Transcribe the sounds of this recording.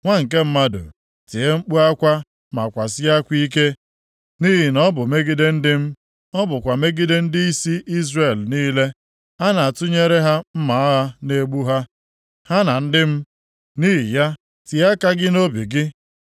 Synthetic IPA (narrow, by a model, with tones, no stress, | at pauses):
ŋʷa˦ŋ̩˨k̬e˦m̩˦ma˦do̰˨ | ti˨e˦ŋ͡m̩˦k͡pu˦a˦kʷa˦ | ma˨kʷa˨s̬ɪ˦a˦kʷi˦k̬e˦ | ni˦ɦi˨nɔ˦bʊ˨me˦ɡɪ˦de˦n̩˦dɪ˦m̩˦ | ɔ˦bʊ˨kʷa˨me˦ɡɪ˦de˦n̩˦di˦i˦si˦ʔi˦zre˨lniː˦le˦ | a˦na˨a˨tʊ˦ɲe˦ɾe˦ɦa˦m̩˦ma˨˦a˦ɦa˦ne˦ɡ͡bu˦ɦa˦ | ha˦na˨n̩˦dɪ˦m̩˦ | ni˦ɦi˨ja˦ | ti˨a˦ka˦ɡɪ˦no˦bi˨ɡɪ˦